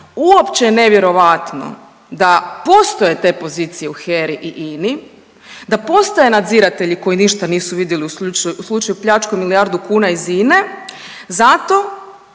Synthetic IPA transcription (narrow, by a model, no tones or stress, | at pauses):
uopt͡ʃejene̞ʋje̞ɾo̞ʋat̪no̰ | d̪apo̞st̪o̞je̞t̪e̞ːpo̞ziːt̪sije̞uxeɾiʔiʔini | d̪apo̞st̪aje̞nad̪ziɾat̪e̞ʎiko̞jiniʃt̪aniːsuʋid̪jeliuuuslˠut͡ʃajupʎat͡ʃkomiliaɾd̪ukuːnaiziːne̞ | zat̪o̞